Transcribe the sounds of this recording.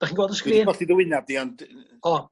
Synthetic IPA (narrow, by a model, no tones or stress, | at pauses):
d̥aχiːnɡoːɔdəskiːnɔɬiðəwɪnadiɔnd | ɔ